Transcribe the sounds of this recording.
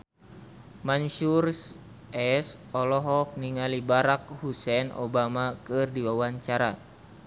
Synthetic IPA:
manʃurs | ɛs | ɔlɔɦɔk̚niŋalibaɾak̚husɛnʔɔ̰bamakɨrdiwawaɲt͡ʃaɾa

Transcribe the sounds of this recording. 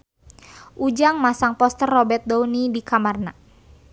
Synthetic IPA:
ʔud͡ʒaŋmasaŋpɔst̪ərːɔbɛrt̪̚dɔunidikamarna

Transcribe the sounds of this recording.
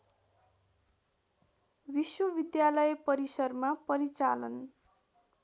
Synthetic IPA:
biswʌbid̪jalʌjpʌɾisʌrmapʌɾit͡salʌn

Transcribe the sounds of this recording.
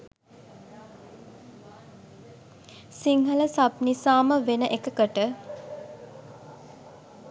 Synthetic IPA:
siŋɦələsapnisaːməʋenəʔekəkəʈə

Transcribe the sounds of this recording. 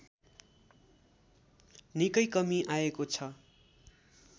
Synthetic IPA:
nikʌjkʌmiʔaekot͡sʰʌ

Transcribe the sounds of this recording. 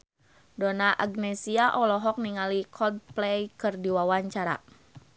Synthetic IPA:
dɔnaʔaɡ̚nɛsiaʔɔlɔɦɔk̚niŋalikʰɔd̚plɛjkɨrdiwawaɲt͡ʃaɾa̰

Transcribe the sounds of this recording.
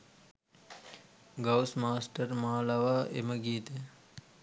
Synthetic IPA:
ɡɐwsmaːsʈəɾmaːlɐʋaːʔḛməɡiːt̪e

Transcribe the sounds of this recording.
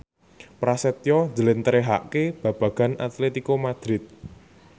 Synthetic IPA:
pɾasɛt̪jɔnd͡ʒəlɪnt̪əɾeɦa̰ʔkeb̥ä̤b̥ä̤ɡ̥a̤nat̪let̪ikomad̪̥ɾɪt̪̚

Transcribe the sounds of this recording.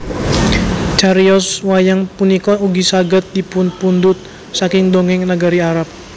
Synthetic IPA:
t͡ʃaɾiɔswajaŋpunikɔuɡisaɡət̪̚dipʊnpund̪ʊt̪̚ | sakɪŋd̪oŋɪŋnəɡaɾiaɾap̚

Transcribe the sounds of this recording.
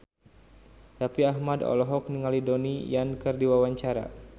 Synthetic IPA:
dapiaɦmadɔ̰lɔɦɔk̚niŋalidonijankɨrdiwawaɲt͡ʃaɾa̰

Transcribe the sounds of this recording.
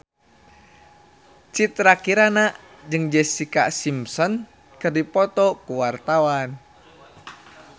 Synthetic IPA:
t͡ʃit̪ɾakiɾanaʔ | d͡ʒɨŋd͡ʒɛsika̰ʔsimsɔn | kɨrdipɔt̪ɔkuwart̪awan

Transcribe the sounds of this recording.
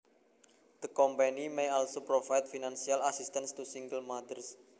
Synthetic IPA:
d̪̥əkɔmpanimejalsupɾofajt̪̚finansialasist̪anst̪usiŋɡəlmad̪ərs

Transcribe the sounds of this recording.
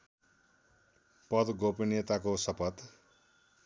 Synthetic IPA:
pʌd̪ɡopinet̪akosʌpʌt̪

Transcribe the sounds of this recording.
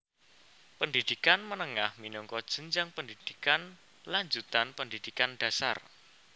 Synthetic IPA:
pəndid̪̥ikanmənəŋahminuŋkɔd̥ʒ̥ə̤nd͡ʒaŋpəndid̪̥i̥kan | laɲd͡ʒut̪anpəndid̪̥ikanɖ̥ä̤sa̰r

